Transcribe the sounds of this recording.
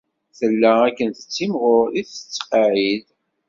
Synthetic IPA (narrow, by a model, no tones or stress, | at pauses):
θəlːæækːənθə̥t͡sːimʁʊɾiθə̥t͡sːqɑʕið